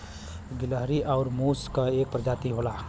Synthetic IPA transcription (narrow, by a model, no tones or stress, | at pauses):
ɡɪləɦɾiʔɔʊɾmuːskaeːk̚pɾəd͡ʒaːt̪iɦoːlaː